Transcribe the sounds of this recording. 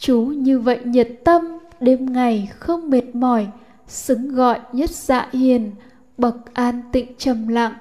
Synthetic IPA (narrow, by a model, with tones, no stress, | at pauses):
t͡ɕu˨˦ɲɨ˧və̰˧˨jɲə˨˩t̚t̪ə˧mɗe˧mŋa˨˩jxə˧wŋ͡mme˨˩t̚mɔ˧˩j | sɨ˨˦ŋɣɔ̰˧˨jɲə˦˥t̚z̥a̰ː˧˨hi˨˩ən | ɓə˨˩k̚ʔaː˧nt̪ḭ̈˧˨ŋt͡ɕə˨˩mla̰ː˧˨ŋ